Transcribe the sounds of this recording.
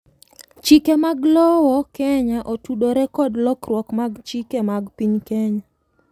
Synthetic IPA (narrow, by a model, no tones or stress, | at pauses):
t͡ʃikemaɡlɔwɔkɛɲaʔotuɗoɾɛkɔdlɔkɾwɔkmaɡt͡ʃikemaɡpiɲkɛɲa